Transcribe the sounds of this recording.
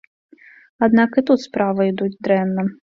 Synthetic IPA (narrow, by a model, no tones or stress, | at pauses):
ad̪nakit̪ut̪spɾavɐid̪ut͡sʲd̪ɾɛnːɐ